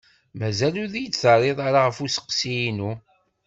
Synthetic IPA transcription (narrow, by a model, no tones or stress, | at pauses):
mæzæluðijət͡sːθərˤːeðˤaɾaʁəfusə̥qsijinu